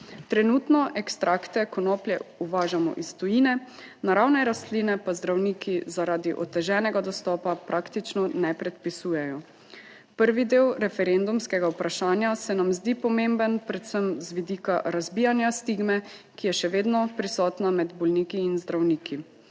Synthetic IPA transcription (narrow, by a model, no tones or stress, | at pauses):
t̪ɾɛnuːt̪nɔʔɛkst̪ɾakt̪ɛkɔnɔːpljɛuʋaːʒamɔ̰ʔist̪ɔjiːnɛ | naɾawnɛɾast̪liːnɛpazd̪ɾawniːkizaɾaːd̪iʔɔ̰t̪ɛʒɛːnɛɡad̪ɔst̪ɔːpapɾʔakt̪it͡ʃnɔnɛpɾɛt̪pisuːjɛjɔ | pəɾʋid̪eːwɾɛfɛɾend̪umskɛɡaupɾaʃaːnjasɛnamzd̪ipɔmembənpɾɛt̪səmzʋid̪iːkaɾazbiːjanjast̪iːɡmɛkijɛʃɛʋeːd̪nɔpɾisɔːt̪namɛd̪bɔlniːkiːnzd̪ɾawniːkʰi